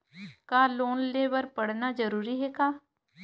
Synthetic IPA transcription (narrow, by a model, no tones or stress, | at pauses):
kaːloːnleːʋəɾpəɽnaːd͡ʒəɾuːɾiːɦɛːkaː